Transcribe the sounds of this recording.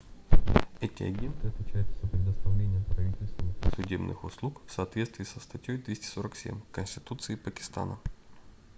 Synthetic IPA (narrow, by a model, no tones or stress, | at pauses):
ɛtʲɪ̰ɐ̰ɡʲent̪ɨɐt̪lʲvʲɪt͡ɕæjʉt̪səzəpɾʲɪd̪əst̪ɐvlʲenʲɪjəmpɾɐvʲitʲɪlʲst̪vəɨxisʊdʲebnʔɨ̰xʊslˠukfsɐːt̪vʲet̪st̪vʲiːsəst̪ɐtʲjojd̪vʲesʲtʲɪ̥so̞ɾəksʲḛmʲkənʲsʲtʲɪ̥t̪ut̪sɨɪpəkʲɪ̥st̪a̰nə